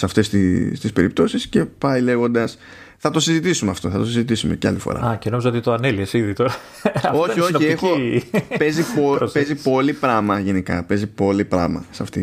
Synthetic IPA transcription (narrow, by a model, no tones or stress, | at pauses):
sɐft̪est̪ist̪ispe̞ɾip̚t̪o̞sisce̞pɐile̞ɣo̞nd̪ɐs | θɐt̪o̞sizit̪isumeɐft̪o̞θɐt̪osizit̪̬isumeceɐ̰lifo̞̰ɾɐ̰ɐceno̞mizɐot̪it̪oɐneliesiðit̪oɾɐ | o̞çioniexope̞ziopezipo̞lipɾɐmɐʝenikɐ̰pe̞zipo̞lipɾɐ̰mɐ̰sɐft̪i